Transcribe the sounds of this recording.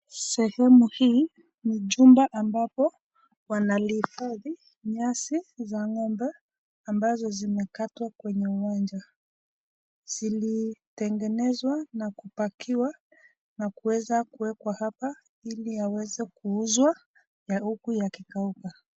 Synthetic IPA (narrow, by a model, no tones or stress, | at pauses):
sɛhɛmuhiː | niʄumbaʔambapɔ | wanalifaði | ɲasizaŋɔmbɛ | ambazɔzimɛkatwakwɛɲɛuwand͡ʒa | z̥ilitɛŋɡɛnɛzwanakupakʰiwa | nakuwɛzakuwɛkwahapa | iliawɛzɛkuuzwa | jaukujakikauka